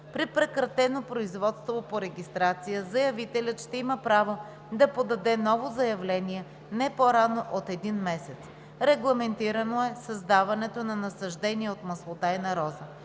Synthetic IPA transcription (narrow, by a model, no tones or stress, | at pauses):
pɾipɾɛkɾɐt̪ɛnopɾoizvɔt̪st̪vopoɾɛɡʲist̪ɾat̪sijəzɐjɐvit̪ɛlʲət̪ʃt̪ɛiməpɾavo | d̪ɐpod̪ɐd̪ɛnɔvozɐjɐvlɛniɛ | nɛpoɾanoʔot̪ɛd̪inmɛsɛt̪s | ɾɛɡlˠɐmɛnt̪iɾɐnoɛsɐzd̪avɐnɛt̪onɐnɐsɐʒd̪ɛniɛot̪mɐslˠot̪ajnɐɾɔzə